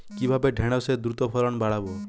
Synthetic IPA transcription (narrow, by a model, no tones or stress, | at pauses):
kibʱabeɖʱeɽ̃ɔsed̪ɾut̪ɔpʰɔɾɔñbaɽ̤abɔ